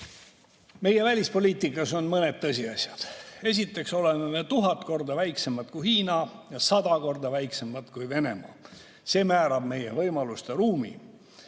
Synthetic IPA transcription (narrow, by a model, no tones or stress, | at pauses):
me̞je̞vælʲispo̞liːt̪ˑikːˑɑso̞nmɤne̞d̪̥̚t̪ɤsʲiɑsʲjɑd̪̥e̞s̬ʲit̪ːˑe̞kso̞lenenet̪uɦɑt̪ko̞rd̪ɑvæjkse̞mɑt̪kujhiːnɑjɑsɑd̪ɑko̞rd̪ɑvæjksemːɑt̪kujve̞ne̞̰mɑ̰ | se̞ːmæːɾɑb̥̚me̞jevɤjmɑlust̪eɾuːmḭ